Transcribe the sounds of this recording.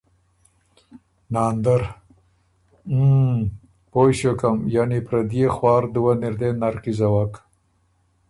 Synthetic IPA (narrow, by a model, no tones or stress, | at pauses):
nɑːnd̪aɾ | pojʃokamjanipɾad̪ijexwɑːɾd̪uwanɪɾd̪enaɾqizawak